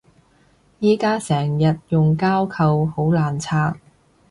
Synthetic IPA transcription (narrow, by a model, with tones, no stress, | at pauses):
jiː˥kaː˥sɛː˨˩ŋjɐ˨t̚jʊ˨ŋkaː˥wkʰɐ˨who˨˥wlaː˨nt͡sʰaː˥k̚